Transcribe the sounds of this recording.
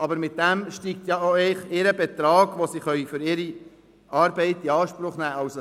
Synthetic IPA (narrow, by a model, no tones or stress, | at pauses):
ʔɑbəɾmɪt̚d̥̪ɛmʃtiːk̚t̪jɑoɛɪχɪɾəbɛt̪ɾɑːɡ̥ʋosiːχœʏfʏɾɪɾi | ɑːɾbɛɪt̪iɑːʃpɾʊχnæːɑwso